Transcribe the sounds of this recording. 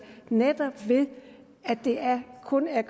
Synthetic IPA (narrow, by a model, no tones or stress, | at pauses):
ned̥ɐb̥ʋe̝ð | æd̥e̝æɐkʰɔ̽næɡʰ